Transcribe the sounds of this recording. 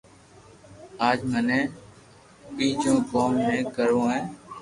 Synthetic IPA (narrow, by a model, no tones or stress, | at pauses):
aːd͡ʒmənẽː | piːd͡ʒõːkoːmːẽːkəɾõːẽː